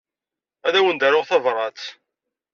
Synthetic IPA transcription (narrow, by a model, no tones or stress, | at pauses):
æðæwənd̪æɾʊʁθævɾˤɑt͡s̪